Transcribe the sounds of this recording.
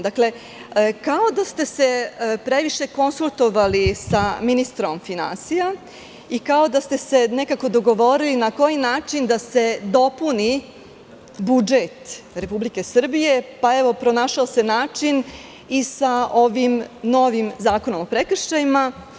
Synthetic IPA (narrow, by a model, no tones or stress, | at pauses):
d̪akle̞ | kao̞d̪ast̪e̞se̞pɾe̞ʋiʃe̞ko̞nsulˠt̪o̞ʋalisaminist̪ɾo̞mfina̰nsija | ikao̞d̪ast̪e̞se̞ne̞kako̞d̪o̞ɡoʋo̞ɾilinako̞jinaːt͡ʂind̪ase̞d̪o̞puni | bud͡ʒet̪ɾe̞publike̞sr̩bije̞paeʋo̞pɾo̞naːʃaose̞naːt͡ʂin | isao̞ʋimno̞ʋimzaːko̞no̞mopɾekr̩ʃt͡ʃajima